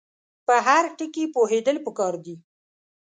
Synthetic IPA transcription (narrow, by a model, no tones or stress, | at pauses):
pəɦaɾʈəkipoɦed̪əlpəkɑɾd̪i